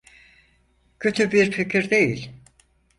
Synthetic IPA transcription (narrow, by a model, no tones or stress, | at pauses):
cʰøt̪ʰybiɾficʰiɾd̪e̞jḭlʲ